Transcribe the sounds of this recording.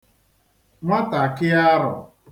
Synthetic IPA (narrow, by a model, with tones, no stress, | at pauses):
ŋʷa˦ta˨kɪ˦a˦ɾʊ̰˨